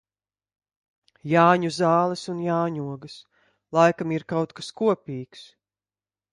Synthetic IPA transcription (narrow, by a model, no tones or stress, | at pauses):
jaːɲuzaːlˠɛsunjaːɲuɔɡɐs | lˠajkamiɾkawt̪kaskuɔpʲiːks